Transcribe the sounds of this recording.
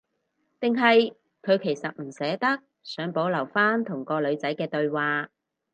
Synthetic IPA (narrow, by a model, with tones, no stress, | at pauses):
t̪ɪ˨ŋɦɐ˨j | kʰɵ˨˧ɥkʰe˨˩jsɐ˨t̚m̩˨˩sɛː˨˥t̪ɐ˥k̚ | sœː˨˥ŋpo˨˥wlɐ˨˩wfaː˥nt̪ʰʊ˨˩ŋkɔː˧lɵ˨˧ɥt͡sɐ˨˥jkɛː˧t̪ɵ˧ɥwaː˨˧